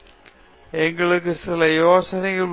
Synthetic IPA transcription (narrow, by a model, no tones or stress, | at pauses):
ɛŋɡɐɭɯk̬ːɯsɪlɐjoːsɐnɐɪɣɐɭ